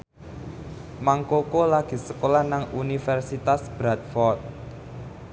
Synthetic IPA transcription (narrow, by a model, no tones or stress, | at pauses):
maŋkokolaɡ̥i̤səkolahnaŋunifɛrsit̪asb̥ɾat̪̚fɔrt̪̚